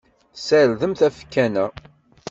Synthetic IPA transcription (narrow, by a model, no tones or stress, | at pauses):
sælðəmθæfkːænæ